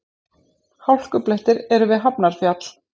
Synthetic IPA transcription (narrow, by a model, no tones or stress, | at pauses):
hawl̥kʏplɛht̪ɪɾɛɾʏvɪðɦapnaɾ̥fjat̪l̥